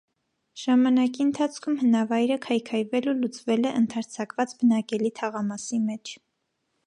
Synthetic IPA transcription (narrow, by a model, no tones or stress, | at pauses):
ʒ̥ɑmɑnɑkiənt̪ʰɑt͡sʰkʰumhənɑvɑjɾəkʰɑjkʰɑjvɛlulut͡svɛlɛʔənt̪ʰɑɾt͡sʰɑkvɑt͡sbənɑkɛlit̪ʰɑʁɑmɑsimɛt͡ʃʰ